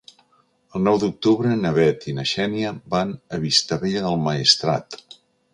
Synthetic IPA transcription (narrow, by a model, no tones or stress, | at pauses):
əlˠnɔwðuk̚t̪uβɾənəβɛt̪inəʃɛnjəbanəβist̪əβeʎəðəlˠməist̪ɾa̰t̪